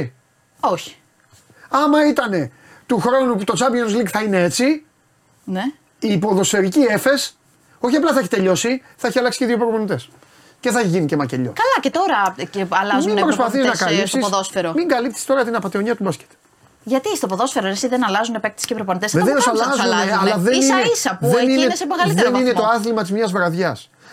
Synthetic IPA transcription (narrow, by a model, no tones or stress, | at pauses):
oçi̥ | ɐmɐit̪ɐne̞ | t̪uxɾo̞nuput̪o̞t͡sɐbjenozlikθɐine̞e̞t͡si | ne | iːpo̞ðo̞sfe̞ɾicie̞fe̞s | o̞çiɐplɐθɐeçit̪e̞ʎo̞siθɐeçiɐlɐksi̥ceðiopɾoponit̪e̞s | ce̞θɐçiʝinicemɐceʎo̞̰kɐlɐcet̪o̞ɾɐeɐlɐzumimbpɾo̞spɐθiznɐkɐlipsisoðosfeɾomiŋɡɐlipθi̥st̪o̞ɾɐt̪inɐpɐt̪io̞ɲiɐt̪ubɐsce̥t̪e̥ | ʝɐt̪ist̪opoðo̞sfeɾoesiðenɐlɐzunepek̚t̪i̥scepɾoponit̪esðeðesɐlɐzeɐlɐðensineisɐpuðeninesepoɣɐliðeninet̪o̞ɐθlimɐt̪izmɲɐzvɾɐðʝɐs